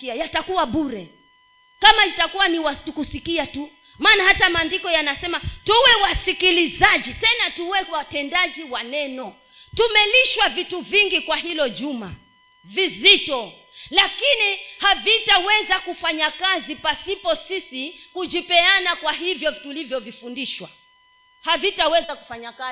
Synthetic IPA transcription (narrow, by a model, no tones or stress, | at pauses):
ajatakuwaɓuɾɛ | kamaitakuwaniwatkusikiatu | maːnahatamaːndikɔjanasɛmatuwɛwasikilizad͡ʒitɛnatuwɛwatɛndad͡ʒiwanɛnɔ | tumɛliʃwavituviŋɡikwaɦilɔʄuma̰ | vizitɔ | lakinihavitawɛzakufaɲakazipasipɔsisikud͡ʒipɛanakwaɦivjɔtulivjɔvifundiʃwa̰ | havitawɛzaku̥faɲaka